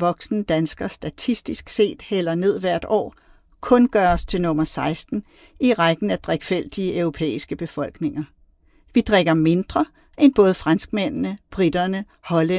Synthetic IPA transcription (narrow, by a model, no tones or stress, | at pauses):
ʋɒ̽ɡ̥snəd̥ænsɡ̥ɐsd̥æt͡sʰisd̥isɡ̥se̝̰ːd̥hel̰ɐne̝ð̞̰ˠʋæɐ̰d̥ɒ̰ː | kʰɔ̽nɡ̥ɶːɐɒst͡sʰe̝lnɔ̽mɐsɑ̈ɪsd̥n̩ | iʁɑɡ̥n̩æd̥ʁeɡ̥fel̰d̥iəʔœʊʁo̝pʰḛːisɡ̥əb̥e̝fɒ̽l̰ɡ̥ne̝ŋɐ | ʋid̥ʁeɡ̥ɐme̝nd̥ʁɐ | ʔenb̥ɔ̽ːð̞̩ˠfʁɑnsɡ̥men̰nəb̥ʁid̥ɐnə | hɒ̽lə